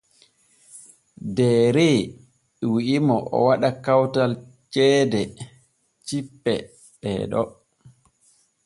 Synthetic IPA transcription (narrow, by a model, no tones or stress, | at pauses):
dɛːɾe | wiʔimɔʔɔ̰waɗakawtalt͡ʃɛːdɛ | t͡ʃipːɛ | ɗɛ̰ɗɔ̰